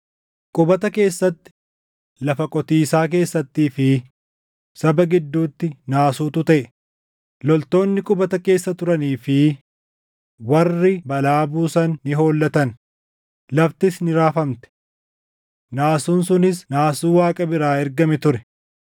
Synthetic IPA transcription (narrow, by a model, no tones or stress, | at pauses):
kʼʊbɐt̪ɐke̞ːsːɐt̪ːɪ̥ | lɐfɐkʼɔt̪iːsaːk̬e̞ːsːɐt̪ːiːfɪ | sɐbɐɡɪd̪ːuːt̪ːɪnaːsuːt̪ʊt̪ɐʔɛ | lɔlt̪o̞ːnːɪkʼʊbɐt̪ɐke̞ːsːɐt̪ʊɾɐniːfɪ | wɐrːɪbɐlaːbuːsɐnːɪɦo̞ːlːɐt̪ɐn | lɐft̪ɪsnɪɾaːfɐmt̪ɛ̥ | naːsuːnsʊnɪsnaːsuːwaːkʼɐbɪɾaːɛɾɡɐmɛt̪ʊɾɛ